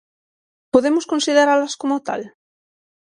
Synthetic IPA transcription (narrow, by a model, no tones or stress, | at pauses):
poðemoskonsiðeɾalaskomot̪a̰l